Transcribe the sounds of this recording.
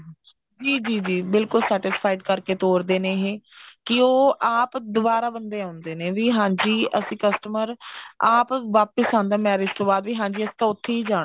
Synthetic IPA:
d͡ʒiːd͡ʒiːd͡ʒiːbɪlkʊlsɛːʈɪspʰaːiɖkəɾkeːt̪oːɾd̪eːneːɦeːkɪoːʔaːpd̪ʊbaːɾaːbənd̪eːãːʊnd̪eːnẽːʋiːɦãːɲd͡ʒiːʔəsĩːkəsʈəməɾaːpʋaːpəsãːnd̪aːmɛːɾɪst̪õːbaːd̪ʋiːɦãːɲd͡ʒiːəsĩ̥ːt̪ãːʊt̪ʰːeːiːd͡ʒaː

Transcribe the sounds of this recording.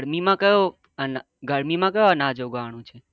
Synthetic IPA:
ɾmimãkəjo | ən | ɡəɾmimãkəjoənad͡ʒoɡʋaɽ̃ũt͡ʃʰe

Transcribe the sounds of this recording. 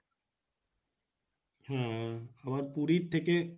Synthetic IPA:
hãɐʋaɾpuɾit̪ʰːeke

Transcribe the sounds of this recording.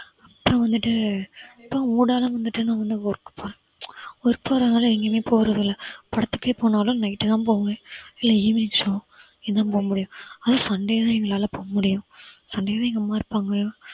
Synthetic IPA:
ɐpːɾɔ̃ʋɐnd̪ɯʈːɯɪpːoːmuːɽaːlɐ̃ʋɐnd̪ɯʈːɯnãːʋɐnd̪ɯɔɾɯkːɯ̥pːoːɾẽ | ɔɾɯpːoːɾɐðɐnaːlɐɛŋɡeːmeːpoːɣɾɐðɪlːɐpɐɽɐt̪ːɯ̥kːeːpoːnaːlʊ̃nɐɪɪʈːɯt̪ãːp̬oːʋɐŋɡɐɪlːɐiːmɪnɪŋʂoː | ɪðt̪ãːpoːɣɐmʊɽɪjʊ̃ɐðɐsɐɳɖeɐt̪ãːɛŋɡɐɭaːlɐpoːɐmʊɽɪjʊ̃sɐɳɖejɐt̪ãːɛŋɡɐmaːɾpaːŋɡɐ

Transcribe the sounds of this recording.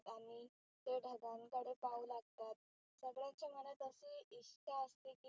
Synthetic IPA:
t̪aɽ̃i | t̪eɖʱəɡãŋkəɽepauːlaɡ̚t̪at̪̚ | səɡɭjat͡ɕam̤əɳət̪əseiɕt͡ɕaəst̪eki

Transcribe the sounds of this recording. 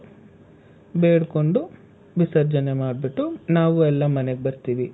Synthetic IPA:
beːɽko̞ɳɖu | ʋisɐɾd͡ʒɐnemaːɖ̚biʈːunaːʋuɛlːɐmɐneɡebɐɾt̪iːʋi

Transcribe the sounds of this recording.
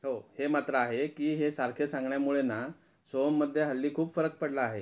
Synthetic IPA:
ɦohemat̪ɾəaɦekiːɦesaɾkʰesãŋɡɳjamuɭena | somːəd̪ʱːjeɦəlːiːkʰuːpfəɾək̚pəɽlaːɦe

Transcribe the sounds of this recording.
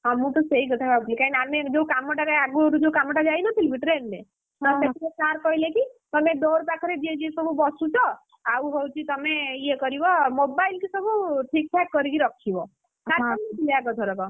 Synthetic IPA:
amũt̪ɔseikɔt̪ʰaɔblikainamed͡ʒekamɔʈaɾeaɡuɾud͡ʒeukamɔʈad͡ʒainɔt̪ʰilbʱiʈɾenme | t̪ɔsetʰet͡ʃaɾkɔilekit̪ɔmeɖoɾpakʰɔɾed͡ʒ̪ied͡ʒiesɔbʱubɔsut͡ʃʰɔ | auɦowt͡ʃʰit̪ɔmeiekɔɾibɔmobailkisəbʱuʈʰik̚ʈʰɛkːɔɾikiɾɔkʰibɔ | saɾkɔmiilaɡɔt̪ʰɔɾɔk̪ɔ

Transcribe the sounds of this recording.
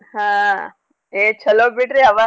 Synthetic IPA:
hã | eːt͡ʃʰɐloːbiʈɾiɐʋa

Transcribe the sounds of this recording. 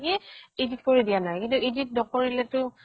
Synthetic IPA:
kiid͡ʒit̚koɹidijanajkĩntuid͡ʒit̚dɔkoɹilɛtʊ

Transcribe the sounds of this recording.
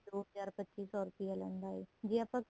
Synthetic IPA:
ɾoːɽɦəzaːɾpətːt͡ʃiːsɔːɾʊpijalãːnd̪aːeːd͡ʒiːapãːk

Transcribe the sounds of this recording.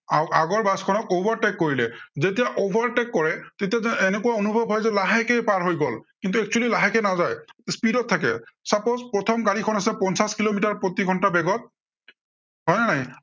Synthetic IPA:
awaɡɔɹbaskʰɔnɔkobʱaɹʈɛkːoɹilɛzetijaʔobʱaɹʈɛkːɔɹɛtetijaenekuwaonubʱɔbʱɦɔjzɛlaɦɛkɛjpaɹɦojɡɔlkint̪̬uɛk̚t͡ʃualilaɦɛkɛnazajspidɔtʰːakɛ̰sapozpɹɔt̪ʰɔmɡaɹikʰɔnasɛpɔnsaskilomitaɹpɹot̪iɡʱɔntabɛɡɔt̚ | ɦɔjnanaj

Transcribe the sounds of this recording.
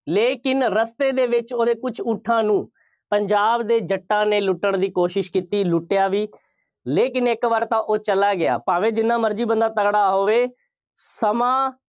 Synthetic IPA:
leːkɪnɾəst̪eːd̪eːʋɪt͡ʃoːd̪eːkʊt͡ʃʰʊʈʰːãːnũː | pəɲd͡ʒaːbd̪eːd͡ʒəʈːãːneːlʊʈːəɳd̪iːkoːʃɪʃkiːt̪iːlʊʈːɪjaːʋiː | leːkɪnɪkʋəɾt̪ãːʔoːt͡ʃəlaːɡɪa̰ːpaːʋeːd͡ʒɪnːãːməɾd͡ʒiːbənd̪aːt̪əkɽaːɦoːʋeː | səmãː

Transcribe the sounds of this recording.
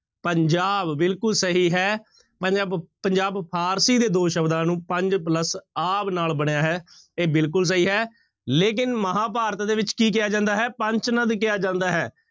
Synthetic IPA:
pəɲd͡ʒaːbːɪlkʊlsəɦiːɦɛː | pəɲd͡ʒaːbpəɲd͡ʒaːbpʰaːɾsiːd̪eːd̪oːʃəbd̪ãːnũːpəɲd͡ʒpləsaːbnaːlbəɽ̃ejaːɦɛː | eːbɪlkʊls̬əɦiːɦɛː | leːk̬ɪnməɦãːpaːɾət̪d̪eːʋɪt͡ʃkiːk̬ɪjaːd͡ʒãːnd̪aːɦɛːpə̃ɲt͡ʃnəd̪k̬ɪjaːd͡ʒãːnd̪aːɦɛː

